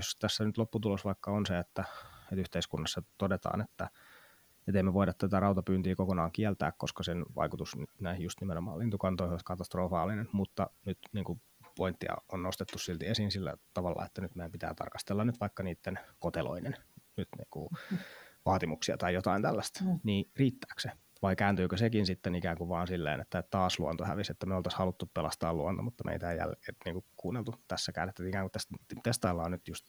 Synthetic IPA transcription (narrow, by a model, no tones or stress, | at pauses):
jost̪æsːænyt̪lopːut̪ulosʋɑikːɑonseet̪ːæet̪yht̪eiskunːɑsːɑt̪odet̪ɑ̰ːnet̪ːæ | et̪eimːeʋoiɾɑt̪t̪æt̪ærɑut̪ɑpyːnt̪iːkokonɑːŋkiælt̪æ̰ːkko̰skɑsenʋɑ̰ikut̪usnnæihjust̪nimenomɑ̰ːlint̪ukɑnt̪oihoskɑt̪ɑst̪rofɑːlinenmut̪ːɑ̰nyt̪niːŋku | point̪ːiɑ̰onnost̪et̪ːussilt̪iesiːnsilːæ̰t̪ɑʋɑlːɑ̰ḛt̪ːænyt̪meæmpit̪æ̰ːt̪ɑ̰rkɑ̥st̪elːɑnnyt̪ʋɑikːɑniːt̪ːenkot̪elo̰inennyt̪nḭːŋkṵ | ʋɑːt̪imuksiɑ̰t̪ɑijot̪ɑint̪ælːæst̪niːriːt̪ːæ̥ːkse | ʋɑikæːnt̪yːkøsekinsit̪ːenikæːŋkuʋɑːnsilːḛːnḛt̪ːæett̪ɑːsluont̪ohæ̰ʋiset̪ːæmeolt̪ɑshɑlut̪ːuppelɑst̪ɑ̰ːluont̪o̰mut̪ːɑmʔḛit̪æːjæ̰leːniːŋkukuːnːelt̪ut̪æsːækæ̰ːnːet̪ːæikæːŋkut̪æst̪est̪ɑilːɑːnnyt̪just̪